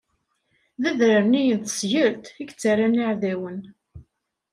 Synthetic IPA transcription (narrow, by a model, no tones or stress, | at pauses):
ðæðɾəɾnijənθə̥sjəɾt̪iɡt͡sːaɾanaʕðæwən